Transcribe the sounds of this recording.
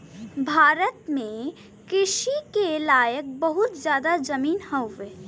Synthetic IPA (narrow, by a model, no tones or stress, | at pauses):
bʱaːɾət̪mẽ | kɪʃikelaːjək̚bəɦʊt̪zjaːd̪ad͡ʒɐmiːnhɐwʋeː